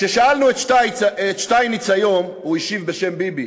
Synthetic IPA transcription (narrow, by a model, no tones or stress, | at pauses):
ʃeʃaalnuet̪ʃtajt͡saet̪ʃtajnit͡sajom | uiʃivbeʃembibi